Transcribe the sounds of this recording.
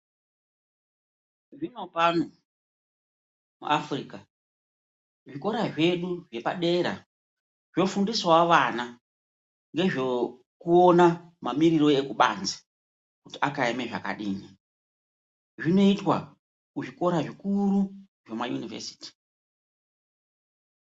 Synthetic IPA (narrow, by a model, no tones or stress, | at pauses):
ʐino̞panu | mṵʔafriːka | ʐiko̞ɾaʐe̞ɗuʐe̞paɗe̞ɾa̰ | ʐ̥o̞fundiswawaʋana | ŋɡe̞ʐo | kuona | mamiɾiro̞e̞kuɓa̰nzi̥ | kutiakaemeʐa̰ka̰ɗiːni | ʐino̞itwa | kuʐiko̞ɾaʐikuɾu | ʐomajunivḛsi̥ːti̥